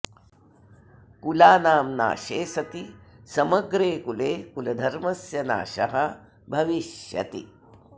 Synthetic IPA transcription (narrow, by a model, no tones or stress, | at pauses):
kulaːnaːmna̰ːʃeːsɐt̪isɐmɐɡɾeːkuleːkulɐd̪ʱɐɾmɐsjɐna̰ːʃɐɦɐ | bʱɐʋiʃjɐ̰t̪ḭ